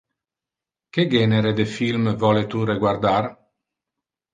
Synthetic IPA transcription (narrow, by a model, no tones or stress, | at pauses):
keɡɛneɾed̪efilmvɔlet̪ureɡward̪ar